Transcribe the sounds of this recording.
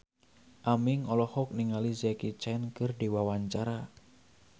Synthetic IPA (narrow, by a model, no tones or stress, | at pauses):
ʔamiŋɔlɔhɔk̚niŋalizɛkit͡ʃɛnkɨrdiwawaɲt͡ʃaɾa